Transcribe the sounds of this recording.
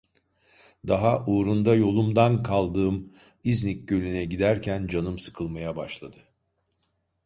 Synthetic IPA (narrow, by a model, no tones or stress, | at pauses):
d̪aɦaʔuːɾund̪ajo̞lˠumd̪ankʰalˠd̪ɯːm | iznic̚ɟø̞lʲynɛɟid̪æɾcʰænd͡ʒanɯmsɯ̥kʰɯlˠmajabaʃlˠad̪ɯ